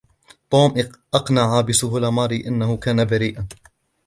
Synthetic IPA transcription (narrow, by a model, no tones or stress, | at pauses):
t̪ˤuːmʔʔɑqnaʕabɪsʊhʊlamɑːɾiʔanːahʊkaːnabaɾiːʔan